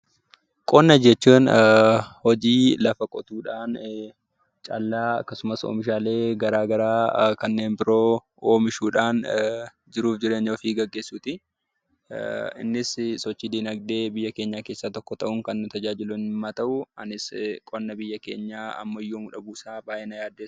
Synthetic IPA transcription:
kʼɔnːɐd͡ʒɛt͡ʃːuːn | hɔd͡ʒiːlɐfɐkʼɔt̪uːᶑaːn | t͡ʃʼɐlːaːɐ̰kːɐsʊmɐso̰ːmɪʃ̬aːle̞ːɡɐɾaːɡɐɾaːkɐnːe̞ːnbɪɾo̞ː | oːmɪʃuːᶑaːn | d͡ʒɪɾuːfd͡ʒɪɾɛɲːoːfiɡɐɡːe̞ːsːuːt̪ɪ | ɪ̰nːɪssɔt͡ʃːiːd̪iːnɐɡd̪e̞ːbɪjːɐke̞ːɲːaːkeːsːat̪ɔkːɔt̪ɐʔʊŋkɐnːʊt̪ɐd͡ʒaːd͡ʒɪlʊnɪmːaːt̪ɐʔʊɐ̰nɪskʼɔnːɐbɪjːɐke̞̰ːɲːaːɐ̰mːɐjːoːmʊᶑɐbuːsaːbaːʔɛnɐjaːd̪ːe̥ː

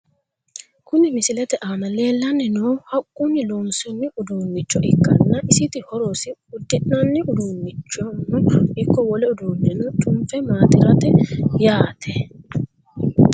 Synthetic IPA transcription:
kʊnɪmɪsɪlɛt̪ɛʔaːnɐle̞ːlːɐnːɪnoːhɐkʼːʊnːɪlonsɔnːɪʊd̪uːmːɪt͡ʃːɔʔɪkːɐnːɐʔɪsɪt̪ɪhɔɾɔsɪʊd̪ːɪnːɐnːɪʔʊd̪uːmːɪt͡ʃːɔnʊɪkːɔwɔlɛʊd̪uːnːɛnʊtʼʊmfɛmaːt̪ɪɾɐt̪ɛjaːt̪ʰɛ

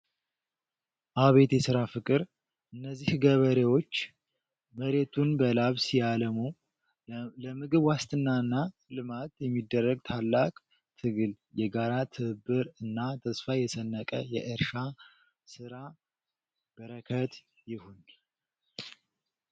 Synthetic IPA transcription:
ʔaβe̞t̪jɛsɨɾafɨkʼɨɾ | ʔɨnːəzːihɡəβəɾewo̞t͡ʃː | məɾe̞t̪ʰunbəlaβsjaləmu | ləmɨɡɨβwast̪ʰʼɨnːaɨnːa | lɨmat̪jɛmːid̪ːərːəɡ̚t̪ʰalːakʼ | t̪ʰɨɡɨl | jɛɡaɾat̪ʰɨɨbːɨɾɨnːat̪ʰəsfajɛsənːəkʼəjɛʔɨɾʃa | sɨɾa | b̥əɾəkʰət̪ | jɪhun

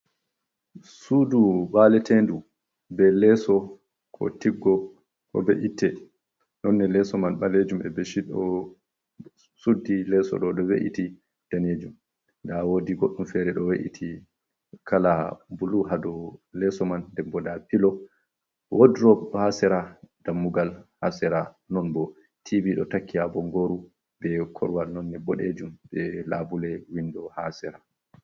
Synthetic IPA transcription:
suduwalɛtʰendu | bɛlɛsɔ | kʰɔ̰tiɡːɔ | kɔ̰bɛʔitʰːɛ | nɔnːɛlɛsɔmanɓaled͡ʒumɛ̰bɛʃiɗɔ | sudːilɛsɔ̰ɗɔɗɔwḛʔḭti | d̥aned͡ʒum | ndawoːdiɡoɗːumfɛɾɛɗɔweʔḭtʰi | kʰalabuluɦadɔlɛsɔmandɛbɔdapilɔ | wodɾɔhasɛɾad̥amːuɡalha̰sɛɾa | nɔnbɔ | tʰiviɗɔ̰takːiabɔŋɡoɾu | bɛkʰɔ̰ɾwalnɔnːɛbɔɗed͡ʒumbɛlabulɛwindɔha̰sɛɾa

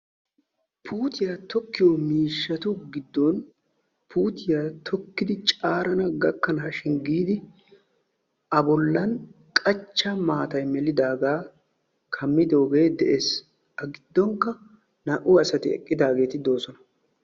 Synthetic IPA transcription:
pʰuːt̪ɪjat̪ɔkːɪjomiːʃːɐt̪ʊɡɪd̪ːɔn | pʰuːt̪ɪjat̪ʰɔkːɪd̪ɪt͡ʃʼaːɾɐnɐɡɐkːɐnaɐːʃɪŋɡiːd̪ɪ | ɐbɔlːɐn | kʼɐt͡ʃːɐmaːt̪ɐjmɛlɪd̪aːɡaː | kʰɐmːɪd̪o̞ːɡe̞ːd̪ɛʔeːs | ɐɡɪd̪ːɔŋkːɐ | nɐʔʊɐsɐt̪ɪɛ̰kʼːɪd̪aːɡe̞ːt̪ɪd̪o̞ːsɔnɐ̥

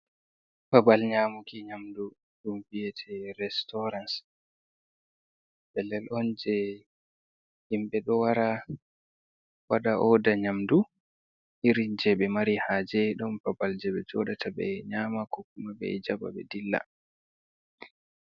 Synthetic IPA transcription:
b̥abalɲaːmukiɲamdu | ɗumvijɛtʰɛɾɛstɔɾans | bɛlɛlʔɔnd͡ʒɛ | himɓɛɗɔwaɾa | waɗaʔɔdaɲamdu | iɾind͡ʒɛɓɛmaɾihaːd͡ʒɛɗɔmbabald͡ʒɛɓɛd͡ʒɔɗatʰabɛ̰ɲaːmakɔkːumaɓɛ̰d͡ʒaba̰ɓɛ̰dilːa̰

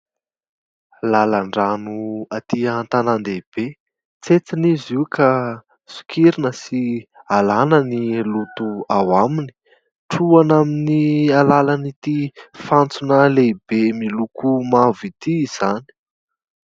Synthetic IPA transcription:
lalaɳɖ͡ʐanuat̪int̪anand̪eb̥e | t͡set͡siniziwkʰa | su̥kʰiɾinəsialanənilut̪uawamini̥ | ʈ͡ʂuanaminialalanit̪ifant͡sunaleb̥emilukumavit̪iz̥ani̥

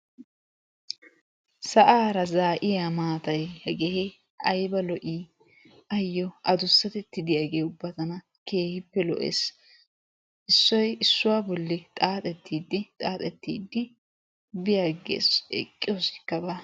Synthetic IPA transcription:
sɐʔaːɾɐzaːʔɪjaːmaːt̪ɐjhɛɡehɛ | ʔɐjbɐlɔʔiː | ɐjːɔɐd̪ʊsːɐt̪ɛt̪ːɪd̪ɪjɐɡeːʊbːɐt̪ɐnɐ | ke̞ːhɪpːɛlɔ̰ʔḛːs | ʔɪsːɔjɪsːʊwaːbɔlːɪt̪ʼaːt̪ʼɛt̪ːiːd̪ːɪt̪ʼaːt̪ʼɛt̪ːḭːd̪ːɪ | bɪjaːɡḛːsɛ̰kʼːɪjɔsɪ̥kːɐba

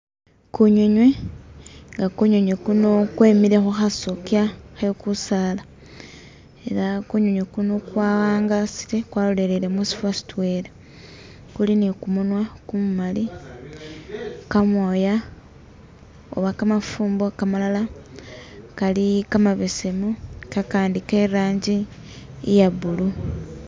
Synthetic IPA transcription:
kuɲeɲwe | ŋɡakuɲoɲwekuno̞kweːmiɾe̞xuxasokiaxekusala | e̞lakuɲoɲwekuno̞kwaːwaːŋɡasi̥tekwalolelele̞musi̥fwasi̥twe̞le | kulinikumunwakumumali | kamwoːja | o̰βakamafuːmbokamalala | kalikamaβese̞mukakaːndikeɾaːɲɟi | jaβulu

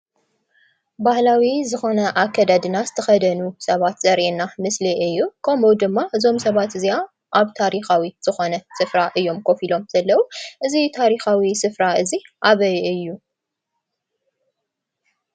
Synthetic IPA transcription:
bahlawizɨxo̞nɐʔakʰːɐd̪ad̪ɨnazɨt̪ʰɐxɐd̪ɐnusɐβat̪z̥ɐɾʔenamɨsliʔɨjːukʰɐmud̪ɨmːaʔɨzo̞msɐβat̪ɨzija | ʔaβt̪ʰaɾixawiz̥ɨxo̞nɐsɨfɾaʔɨjːo̞mkʰo̞filo̞mz̥ɐlːɐwuʔɨzit̪ʰaɾixawisɨfɾaɨziʔaβɐjɨjːu

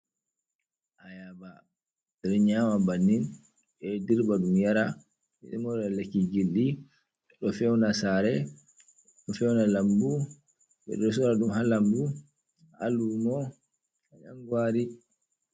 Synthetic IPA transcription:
ʔajaba | dɛɾɲamabanːin | ɓɛdiɾbaɗumjaɾa | ɛ̰ɗɛmɔɾɛlekiɡilːi | ɓɛɗɔfɛwnasaɾɛ | ɗɔfɛwnalambu | ɓɛ̰ɗɔsɔɾaɗumhalambu | a̰lunɔ | aɲa̰ŋɡwaɾi

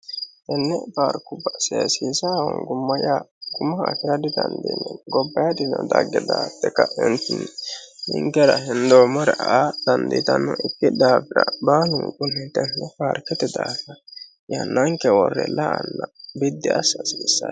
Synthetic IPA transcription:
t̪ɛnːɛfaːɾkʊbɐsɛsiːsahɔ̰ŋɡʊmːɐjaɡʊmːɐːkɪɾɐd̪ɪd̪ɐnd̪inːɛɡɔbːɐjad̪ɪnɔd̪ɐɡːɛd̪aːt̪ːɛkɐɪnt̪ɪnnɪ̰ŋɡɛɾɐɦɪnd̪oːmɔɾɛʔaʔad̪̥ɐnd̪ḭt̪ɐnːɔʔɪkːɪd̪aːfɪɾɐbaːlʊŋkʼʊnːɪt̪ɛnːɛfaːɾkɛt̪ɛd̪aːfɐ | jɐnːɐŋkɛwɔrːɛ̰laʔanːɐbɪd̪ːɪɐsːɐsiːsːa̰

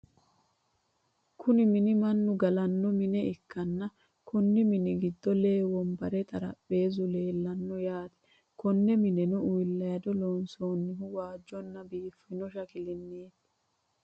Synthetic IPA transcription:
kʰʊnɪmɪnɪmɐnːʊɡɐlɐnːɔmɪnɛɪkʰːɐnːɐ | kɔnːɪmɪnɪɡɪd̪ːɔle̞ːwɔmbɐɾɛt̪ʼɐɾɐ̰pːe̞ːzʊle̞ːlːɐnːɔjaːt̪ɛ̥ | kɔnːɛmɪnɛnɔʊjlːɐjɐd̪ɔloːnsoːnːɪhʊwaːd͡ʒːɔnːɐbiːfːɪnɔʃɐkɪlɪnːeːt̪ː

